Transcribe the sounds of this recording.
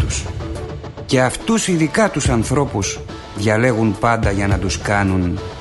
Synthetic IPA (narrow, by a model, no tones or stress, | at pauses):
us | ce̞ɐft̪usiðikɐt̪usɐnθɾo̞pus | ðʝɐle̞ɣunpɐnd̪ɐʝɐnɐt̪uskɐnun